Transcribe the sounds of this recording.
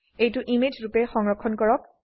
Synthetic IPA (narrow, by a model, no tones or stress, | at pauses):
ejtʊʔimed͡ʒɹupɛxɔŋɹɔkʰːɔnkɔɹɔk̚